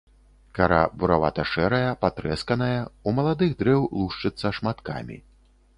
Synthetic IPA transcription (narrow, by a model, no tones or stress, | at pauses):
kaɾa̰buɾava̰t̪ɐʂɛɾɐjɐpat̪ɾɛskɐnɐjɐumɐlˠad̪ɨɣd̪ɾɛwlˠuʂt͡ʂɨt̪sːɐʂmat̪ka̰mʲḭ